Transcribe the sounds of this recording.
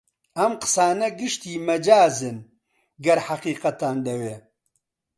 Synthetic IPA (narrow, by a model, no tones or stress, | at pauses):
ɐmqə̥saːnɐɡɨʃt̪iːmɐd͡ʒaːzɨn | ɡɐɾħaqiːqɐt̪aːnd̪ɐweː